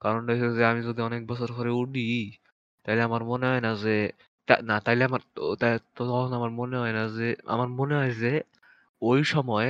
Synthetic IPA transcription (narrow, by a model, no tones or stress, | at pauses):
kaɾɔnʈaesezeamizod̪iɔnek̚bɔsɔɾkʰɔɾeuɖi | t̪aɦileamaɾmoneɦɔjnaze | t̪a̰nat̪aɦileamaɾt̪at̪ɔɔonamaɾmoneɦɔjnazea̰maɾmoneɦɔjze | ojʃɔmɔe